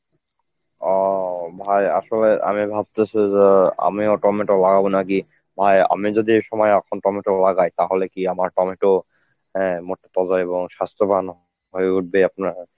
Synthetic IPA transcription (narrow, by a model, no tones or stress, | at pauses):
ɔbʱaja̰sɔlɛʔa̰mibʱab̚t̪esɛzea̰miɔʈɔmeʈɔlaɡabɔnak̬i | bʱaja̰mizod̪ieʃɔmɔjakʰɔntɔmeʈɔlaɡajt̪aɦolekiamaɹtɔmeʈɔ | ɛ̃motːet̪ɔzaebɔŋʃast̪ɔpanɔ | bʱojud̚beapnaɹ